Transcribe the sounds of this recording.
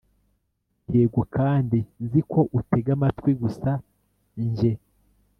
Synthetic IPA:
eːɡokʰaːndizikʰo̞ʔute̞ɡamatkwiɡusa | ɲʒe̞

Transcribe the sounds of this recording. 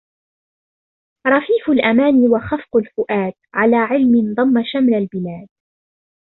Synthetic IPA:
ɾˤɑfiːfʊlʔamaːniːwaxɑfqʊlfʊʔaːt̪ʕalaːʕɪlmɪnd̪ˤɑmːaʃamlalbɪlaːd̪̚

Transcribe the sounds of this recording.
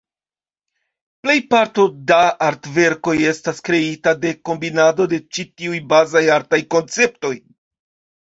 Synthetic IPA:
ple̞jpaɾto̞daaɾtve̞ɾko̞je̞staskɾe̞itade̞ko̞mbinado̞de̞t͡ʃitiujbazajaɾtajko̞nt͡se̞p̚to̞j

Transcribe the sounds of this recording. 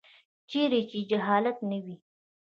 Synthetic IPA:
t͡ʃeɾet͡ʃed͡ʒaɦɑlat̪nəwi

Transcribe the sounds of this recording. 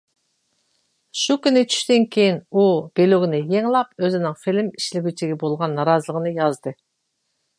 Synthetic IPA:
ʃukʲynɪt͡ʃʰy̥ʃt̪ɪnkʲʰejinub̥eluɡʲinɪjeŋlˠɑpøzɪnɪŋfilɪmiʃlɪbʲyt͡ʃʰiɡʲɛbolˠʁɑnːɑɾɑzəlˠəʁənɨjɑzd̪ɨ

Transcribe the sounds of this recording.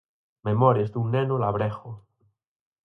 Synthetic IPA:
memɔɾezd̪uŋnenolaβ̞ɾexo

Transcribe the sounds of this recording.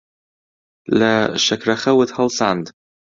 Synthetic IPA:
laʃakɾaxawːɪt̪halsand̪

